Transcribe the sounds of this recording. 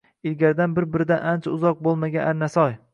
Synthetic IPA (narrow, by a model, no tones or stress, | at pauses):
ɪlɡʲaɾɪd̪anbɪɾbɪɾɪd̪anʔant͡ʃʰaʊzɒq̚bolˠmaɡʲanʔaɾnasɒj